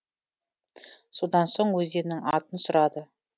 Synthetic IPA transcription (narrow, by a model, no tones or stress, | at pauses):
so̞d̪ɑnso̞ɴwɵzd̪e̞nɪŋɑt̪ənsʊɾɑd̪ə